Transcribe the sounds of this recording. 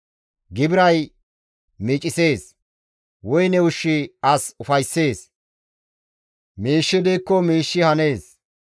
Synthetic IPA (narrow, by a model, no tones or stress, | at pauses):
ɡɪbɪɾɐj | miːt͡ʃʼɪse̞ːs | wɔjnɛʊʃːɪɐsʊfɐjsːe̞ːs | miːʃːɪd̪iːkːɔmiːʃːɪhɐne̞ːs